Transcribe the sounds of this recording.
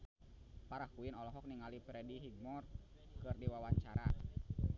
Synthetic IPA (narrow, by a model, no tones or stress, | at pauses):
paɾahkuinɔlɔɦɔk̚niŋalipɾɛdiɦiɡ̚mɔr | kɨrdiwawaɲt͡ʃaɾa